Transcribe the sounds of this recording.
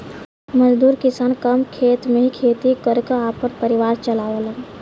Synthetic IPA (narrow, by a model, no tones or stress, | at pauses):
məd͡ʒd̪uːɾkɪsaːnkəmkʰeːt̪mẽɦikʰeːt̪ikəɾkəaːpːəɾpəɾɪʋaːɾt͡ʃəlaːolə